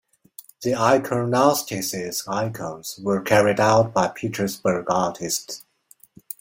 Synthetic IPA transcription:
ðiaɪkʰə˞nastʰɪsɪzaɪkʰə̃mz̥wə˞kʰɛɹɪdaʊt̚b̥aɪpʰitʰə˞sbə˞ɡɑɹtʰɪsts

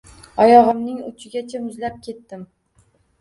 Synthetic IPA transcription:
ɒjɒʁɨmnɪŋʊ̰t͡ʃʰɪɡʲat͡ʃʰamʊzlap̚kʲʰe̞t̪ːɪm

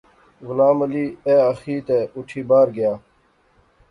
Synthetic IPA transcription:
ɣʊlaːmɐliːeːɐxiːt̪eːuʈʰiːbaːɾɡɪjaː

